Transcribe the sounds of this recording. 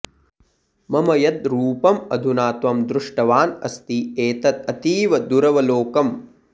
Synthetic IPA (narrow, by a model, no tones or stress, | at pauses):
mɐmɐjɐd̪ɾuːpɐmɐ̰d̪ʱunaːt̪ʋɐmd̪ɾuʂʈɐʋaːnɐ̰st̪ieːt̪ɐt̪̚ɐt̪iːʋɐd̪uɾɐʋɐloːkɐm